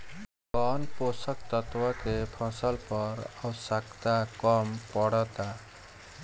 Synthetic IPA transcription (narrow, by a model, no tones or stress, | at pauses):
kɔnposək̚t̪ət̪wəkepʰəsəlpʌɾəwsakt̪akɔmpɔɽət̪a